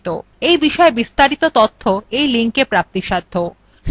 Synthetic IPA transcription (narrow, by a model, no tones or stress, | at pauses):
t̪o̰ | ejbiʃɔebist̪aɾit̪ot̪ot̪ʰːoejliŋkepɾap̚t̪iʃad̪ʱːo